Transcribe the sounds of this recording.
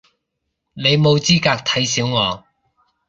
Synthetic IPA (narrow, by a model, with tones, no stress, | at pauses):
ne˨˧jmo˨˧wt͡siː˥kaː˧k̚t̪ʰɐ˨˥jsiː˨˥wŋɔː˨˧